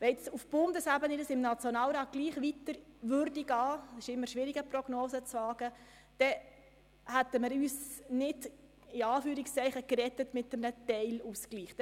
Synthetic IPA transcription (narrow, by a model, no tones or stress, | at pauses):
ʋɛɪt͡sufb̥ʊnd̪əsæbənɪdəsɪmnɑt͡sjonɑːlɾɑːt̚kliːχʋitəɾʋʏɾdiɡɑːsɪʃɪmːəɾʃʋɪɾiɡəproɡ̥noːzət͡sʋɑːɡ̥ə | d̥ɛ | hæt̪ːəməɾyːsnɪd | ɪɑːfyːɾikst͡sɛɪχəkɾɛtətmɪtːəmnətɛɪluskliːχt